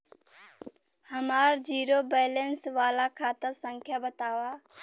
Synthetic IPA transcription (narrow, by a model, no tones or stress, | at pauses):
həmaːɾd͡ʒiːɾobɛːlensʋaːlakʰaːt̪əɾsə̃ŋkʰjabət̪aːʋaː